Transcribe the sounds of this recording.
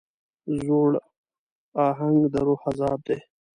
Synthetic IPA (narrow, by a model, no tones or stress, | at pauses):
zoɽ | ɑːɦaŋɡd̪əɾohazɑːb̚d̪e